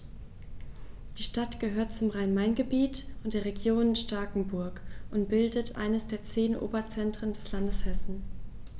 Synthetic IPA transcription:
d̥iːʃtatɡ̥əɦøːɐtt͡sʊmʁaɪnmaɪnɡəbiːtʔʊntd̥eːɐʁ̞eɡjoːnɪnʃtaɐkŋ̩bʊɐkʔʊntb̥ɪldətʰʔa̰ɪnəsd̥eːɐt͡seːnʔo̰ːbɐt͡sɛntʁ̥əndɛslandəshɛsn̩

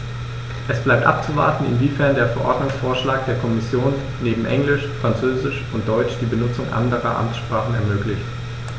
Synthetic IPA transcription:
ʔɛsb̥laɪp̚tʔa̰p̚t͡suva̰ɐtn̩ɪ̰nviːfɛɐndeːɐfɛɐʔɔɐdnʊŋsfoːɐʃlaːk̚d̥eːɐkʰɔmɪsjoːnːeːbm̩ʔɛŋlɪʃfʁ̥ant͡søːzɪʃʔʊnt̚d̥ɔʏt͡ʃd̥iːbənʊt͡sʊŋʔa̰ndəʁɐ̰ʔa̰mt͡ssʃpʁ̥aːχn̩ɛ̰ɐmøːklɪçt

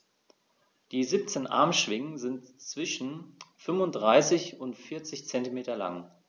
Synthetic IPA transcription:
d̥iːzip̚t͡seːnʔa̰ɐmʃv̥ɪŋənzɪntt͡sv̥ɪʃn̩fʏmvʊntd̥ʁaɪsɪçʊntfɪɐt͡sɪçt͡sɛntimeːtɐla̰ŋ

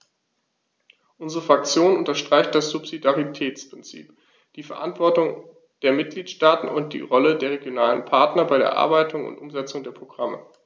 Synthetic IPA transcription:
ʔʊnzəʁəfʁ̥ak̚t͡sjoːnʔʊntɐʃtʁ̥aɪçt̚d̥asz̥upz̥idaʁitʰɛːt͡spʁ̥ɪnt͡sḭːp | d̥iːfɛɐʔa̰ntv̥ɔɐtʊŋ | d̥eːɐmɪt̚ɡ̥liːtʃtaːtn̩ʊnt̚d̥ḭːʁɔlədeːɐʁ̞eɡjonaːlənpʰaɐtnɐbaɪɾḛːɐʔa̰ɐbaɪtʰʊŋʊ̰ntʔʊmzɛt͡sʊŋdeːɐpʁ̥oɡ̥ʁamə̰

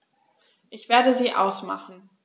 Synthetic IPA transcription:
ʔɪçv̥eːɐdəziːʔa̰ʊsma̰χn̩

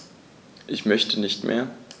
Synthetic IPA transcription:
ʔɪçmœçtʰənɪçtmʔḛːɐ

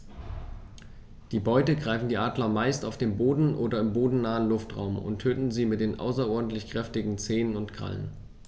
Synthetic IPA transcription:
d̥iːbɔʏtəɡʁaɪfn̩diːʔaːdlɐmaɪstaʊfd̥eːnboːdn̩ʔo̰ːdɐɪmboːdn̩naːənlʊftʁa̰ʊmʊ̰ntʰːøːtn̩ziːmɪt̚d̥eːnʔa̰ʊsɐʔɔɐdn̩tlɪçkʁ̥ɛftɪɡŋ̩t͡seːnənʊntɡ̥ʁa̰lə̰n

